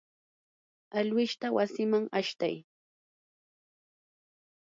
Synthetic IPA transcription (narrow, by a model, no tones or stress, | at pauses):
aʎwɪʃt̪awasɪmaŋaʃt̪a̰j